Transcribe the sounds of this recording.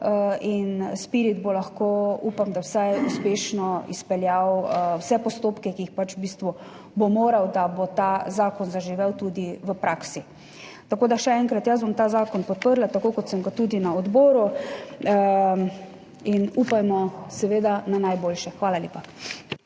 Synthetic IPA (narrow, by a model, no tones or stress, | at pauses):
əinspiɾid̪bolaxkoupamd̪awsajuspeːʃnɔḭspɛljawwsɛpɔst̪oːpkɛkiixpat͡ʃbiːst̪ʋu | bomoːɾawd̪abot̪azaːkɔnzaʒiʋɛwt̪ud̪iʋəpɾʔaːksi | t̪akoːd̪aʃɛɛŋkɾat̪jazbomt̪aːzaːkɔnpɔt̪̚pəɾlat̪akoːkɔt̪səmɡat̪uːd̪inaɔd̪boːɾu | inupajmɔsɛʋeːd̪ananajboːlʃɛxʋaːlaljḛːpa